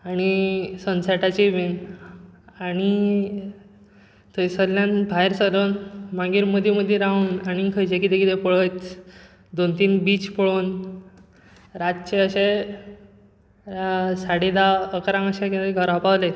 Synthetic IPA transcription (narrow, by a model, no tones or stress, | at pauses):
aɽ̃isənsaʈat͡ɕiʋen | aɽ̃i | t̪əsəlːjãnbʱaeɾsəɾənmãŋɡiɾməd̪ʱiməd̪ʱːjeɾauːnaɽ̃ikʰəjt͡ɕekit̪ekit̪epəɭəjt̪ | d̪ont̪iːnbiːt͡spəɭon | ɾat̪t͡ɕeəɕe | saɽed̪aəkɾãŋəɕaket̪eɡʱəɾapaʋle